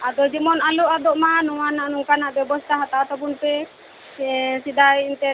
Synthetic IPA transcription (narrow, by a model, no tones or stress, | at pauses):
ad̪ɔd͡ʒimɔnaluʔad̪ɔʔmanuwanaʔnuŋkanaʔbɛbɔst̪aɦat̪at̪ɔp̬unpɛ | sid̪ajint̪ɛ